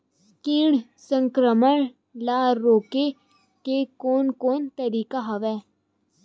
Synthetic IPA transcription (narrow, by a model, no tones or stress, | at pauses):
s | kiːɳsə̃ŋkɾəməɳ | laːɾːoːke | kekoːnkoːnt̪əɾiːkaɦəʋɛː